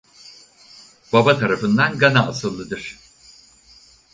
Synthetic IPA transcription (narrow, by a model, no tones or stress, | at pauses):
b̥abat̪ʰaɾafɯnd̪anɡanaʔːsɯlˠːɯd̪ɯɾ̥